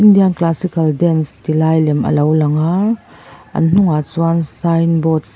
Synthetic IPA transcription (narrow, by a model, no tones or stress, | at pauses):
indianklasikɐldɛnst̪ilajlɛmʔə̰lowlɐŋaː | ʔɐ̰nn̥ʊŋat͡suansajnbɔts